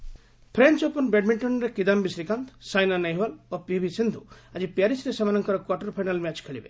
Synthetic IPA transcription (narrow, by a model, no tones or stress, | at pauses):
pʰɾent͡ʃɔpɔnbeɖmiɳʈɔnɾekid̪ambisɾikant̪sajnanejɦwalopibʱisind̪ʱuad͡ʒipjaɾisɾesemanɔŋkɔɾɔkwaʈɔɾpʰajnalmɛt͡ʃkʰeɭibḛ